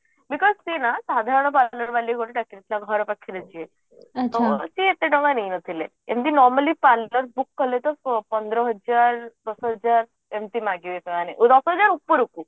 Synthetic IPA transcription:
bikɔzt̪enasad̪ʱaɾəɳ̃ɔp̬aləɾʋaliɡʱoʈiʈakiɾit̪laɡʱɔɾpakʰːiɾət͡ʃie | t̪osiet̪eʈə̃ŋɡanejnət̪ʰile | ḛnt̪inɔɾməlipalləɾbukːəlet̪ɔpənd̪ɾəɦəd͡ʒaɾd̪ɔsɦəd͡ʒaɾ | emt̪imaɡeʋeseaneʔd̪ɔsɦəd͡ʑaɾupːəɾuku

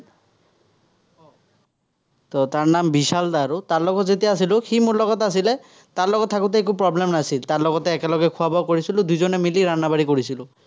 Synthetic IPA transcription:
tɔtaɹnambisald̪aɹutaɹlɔɡɔtzetijaːs̬ilʊximoɹlɔɡɔtas̬ilɛ | taɹlɔɡɔtʰːakut̬ɛːk̬upɹɔblɛmnasiltaɹlɔɡɔtɛːkɛlɔɡɛkʰuabawkoɹisilʊdujzɔnɛmiliɹanabaɹikoɹisilʊ

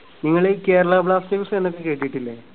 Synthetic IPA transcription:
niŋːɐɭeke̞ːɾɐɭɐbɭaːsteksenːokːekeːʈːijiʈːilːe

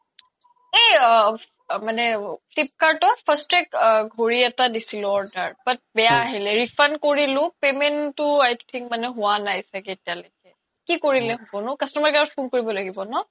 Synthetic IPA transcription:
ej | manɛpʰlip̚kaɹtɔpʰəstɛkɡʱoɹiɛtadisilʊɔɹdəɹbat̚bɛjaːɦilɛɹipʰankoɹilʊ̃pementʊajt̪ʰĩŋkmanɛɦʊwanajsɛketialojkɛ | kikoɹilɛɦɔbɔnʊkəstɔmaɹɡaɔpʰunkoɹibɔlaɡibɔnɔ

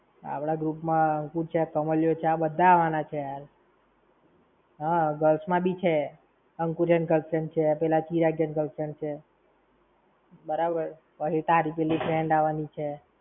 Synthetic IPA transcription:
a̰pɽaɡɾupmãəŋkuɾt͡ʃʰeakəməljot͡ʃʰeabəd̪ʱːaːʋanat͡ʃʰejaɾ | ɦaɡəlsmãbit͡ʃʰe | əŋkuɾjənɡəlsənt͡ʃʰepɛlat͡ʃiɾaɡjənɡəlsənt͡ʃʰe | bəɾabəɾ | pəɦit̪aaɾipelipʰɾeɳɖaʋanit͡ʃʰe

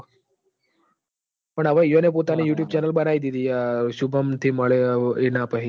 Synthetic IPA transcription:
pəɳəʋaijonep̬ot̪anejuːʈjuːb̚t͡ɕɛnəlbənajd̪it̪ijaɕubʱəmt̪ʰiməɭeenapəɦi

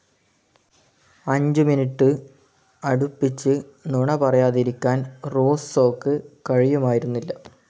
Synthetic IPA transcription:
ɐɲd͡ʑɨminiʈːɨ | ɐɽupːit͡ɕːɨnuɳɐpɐrɐjaːðiɾikʲːaːnroːsoːkːɨkɐɻijumaːjiɾunːilːɐ

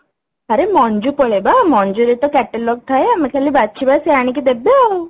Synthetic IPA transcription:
ɐɾemɔɲd͡ʒupɔɭebamɔɲd͡ʒuɾet̪ɔkɛʈelɔɡ̚t̪ʰajamakʰalːibatːt͡ʃʰibaseaɽ̃ikid̪ebeɔ

